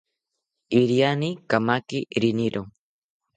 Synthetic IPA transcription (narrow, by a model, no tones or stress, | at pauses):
iɾjanikamakiɾiniɾʔo